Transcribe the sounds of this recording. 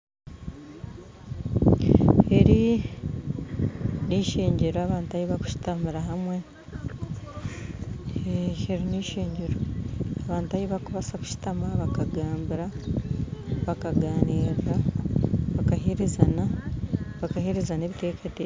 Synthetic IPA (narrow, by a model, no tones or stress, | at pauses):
e̞ɾi | niːʃe̞ːɲɟe̞ɾoaβaːntuajiβaku̥ʃi̥tamiɾaɦamwe̞ | eeɾiniːʃeːɲɟe̞ɾoaβaːntuajiβakuβasaku̥ʃi̥tamaβakaɡaːmbiɾa | βakaɡaːniːɾra | βakaɦeɾezana | βakaheɾezaneβiteːkete